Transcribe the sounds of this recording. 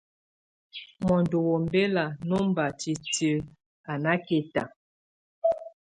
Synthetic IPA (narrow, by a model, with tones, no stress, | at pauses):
mɔ˨ndo˨wo˨m˦be˦la˨no˦m˦ba˨ti˨tə˦ | a˨na˦ke˨ta˨